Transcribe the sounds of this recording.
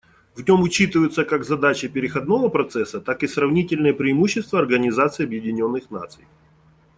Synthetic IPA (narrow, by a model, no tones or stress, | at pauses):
vnʲo̞mʊt͡ɕit̪ɨvəjʊt̪səkaɡzɐd̪at͡ɕəpʲɪɾʲɪxɐd̪no̞vəpɾɐt̪sɛsːət̪akɨsrɐvnʲitʲɪlʲnɨjəpɾʲɪɪmuɕːɪst̪vəɐrɡənʲɪzat̪sɨjɐbjɪdʲɪnʲo̞nːɨxna̰t̪sɨj